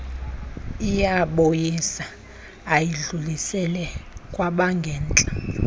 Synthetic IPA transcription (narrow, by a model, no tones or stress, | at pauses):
ijaɓojisaː | jiɮulisɛlɛkʼwaɓaŋɡʱɛːnt͡ɬʼa